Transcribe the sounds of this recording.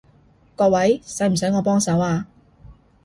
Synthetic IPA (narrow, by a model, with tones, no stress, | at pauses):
kɔː˧wɐ˨˥jsɐ˨˥m̩˨˩s̬œː˨˥ŋɔː˨˧pɔː˥ŋsɐ˨˥waː˧